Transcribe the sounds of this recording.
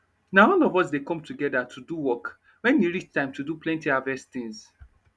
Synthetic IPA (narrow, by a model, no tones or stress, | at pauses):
naɔnɔvɔsdekɔ̃mtʰuɡɛdatʰuduwɔk | wɛ̃nwiɹit͡ʃtãɪ̃mtʰuduplɛ̃ntiavɛst̪ĩŋs